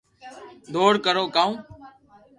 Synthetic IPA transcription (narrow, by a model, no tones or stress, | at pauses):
d̪oːɽkəɾoːkaːũː